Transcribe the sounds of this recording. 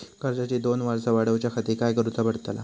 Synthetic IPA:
kəɾd͡ʑat͡ɕed̪onʋaɾsaʋaɽəwt͡ɕjakʰat̪ikajkəɾut̪abəɽt̪əla̰

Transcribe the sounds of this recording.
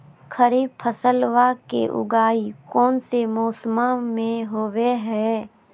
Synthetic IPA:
kʰəɾiːbpʰəsəlʋakḛʔʊ̰ɡaːikɔːnsemɔːsəmamẽɦoːweɦɛː

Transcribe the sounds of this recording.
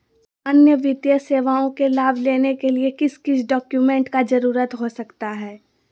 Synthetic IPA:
ɐnjəʋɪd̪jəseːʋaːõkelaːbʱleːnekeliekɪskɪsɖɔːkjumẽːɳʈkad͡ʒɐɾuːɾət̪ɦosɐkt̪aɦɛː

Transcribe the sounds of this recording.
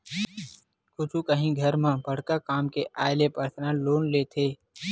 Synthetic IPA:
kʊt͡ʃʰũkəɦĩɡʱɐɾmãbɐɽ̤kakaːmkeʔaːɪlepəɾt̪ʰnãloːnleːt̪ʰeː

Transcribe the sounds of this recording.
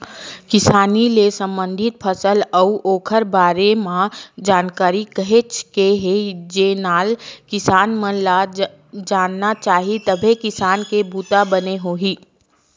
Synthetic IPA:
kɪsaːnilesə̃mbə̃nd̪ʱɪt̪̚pʰəsələuʔoːkʰəɾbaːɾemãd͡ʒaːnkaːɾikəɦet͡ʃʰkeɦed͡ʒeːnaːlkɪsaːnməla | d͡ʒaːnːat͡ʃaːɦit̪əbʱekɪsaːnkebʱuːt̪abəneɦoːɦiː

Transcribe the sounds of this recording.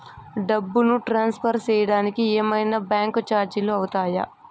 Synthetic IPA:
ɖɐbːunuʈɾaːnspʰɐɾt͡ʃɛːjɐɽaːnikieːmɐjnɐbjaːŋkt͡ʃaːɾd͡ʒɐluɐwut̪aːjɐ̰

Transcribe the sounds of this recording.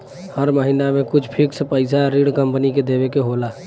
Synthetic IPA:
həɾməɦɪnamẽkʊt͡ʃʰpʰɪksepəɪsaɾiɽkəmpəniked̪eːʋekeɦoːlaː

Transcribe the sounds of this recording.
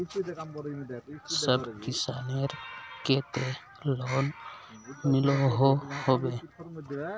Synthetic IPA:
səbkɪsa̰neɾket̪e | lon | mɪloɦohobe

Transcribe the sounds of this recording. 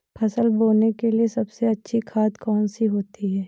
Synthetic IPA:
pʰɐsəlboːnekeliesɐbseɐtːʃʰikʰaːd̪kɔːnsiɦoːt̪iɦɛː

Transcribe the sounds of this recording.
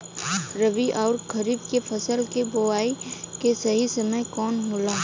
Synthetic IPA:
ɾəʋiʔɔːɾkʰɐɾiːbkepʰɐsəlkeboaːikesɐɦisɐməjkɔːnmʊlaː

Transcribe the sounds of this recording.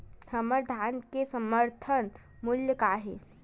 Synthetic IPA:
həməɾd̪ʱaːnkesəməɾt̪ʰən | mʊljəkaːɦe

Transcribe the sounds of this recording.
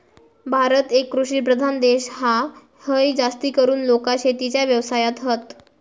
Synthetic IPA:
bʱaɾət̪ekːɾuɕiːpɾəd̪ʱand̪eɕɦa | həjd͡zast̪iːkəɾuːnlokaɕet̪it͡ɕjaʋjəʋsajat̪ɦət̪

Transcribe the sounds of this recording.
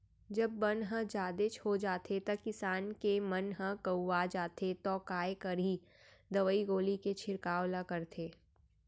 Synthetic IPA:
d͡ʒɐbːənɦə̃d͡ʒaːd̪et͡ʃhod͡ʒaːt̪ʰet̪ɐkɪsaːnkemɐnɦə̃kəuʋad͡ʒaːt̪ʰet̪ɔːkaːekɐɾi | d̪ɐʋəiɡoːliket͡ʃʰɪɾkaːwlakɐɾt̪ʰeː

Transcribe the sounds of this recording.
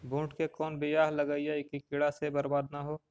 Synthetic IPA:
bũːʈkekɔːnbɪjaːɦləɡəiaikikɪɽasebɐɾbaːd̪̚naɦoː

